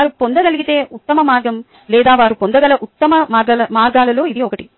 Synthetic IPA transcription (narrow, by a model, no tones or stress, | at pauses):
aːɾupɔnd̪ɐɡɐɭiɡit̪eːʔut̪ːɐmɐmaːɾɡɐm | lɛːd̪aːʋaːɾupɔnd̪ɐɡɐɭɐʔut̪ːɐmɐmaːɾɡɐlɐmaːɾɡaːlɐloːid̪iɔkɐʈi